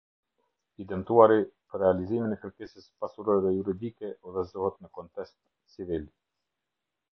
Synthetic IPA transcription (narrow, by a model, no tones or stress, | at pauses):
id̪ɛmt̪uaɾipəɾːɛaliziminɛkəɾkɛsəspasuɾɔɾɛðɛjuɾid̪ikɛʔɔðɛzɔhɛt̪nəkɔnt̪ɛst̪ | t͡sivil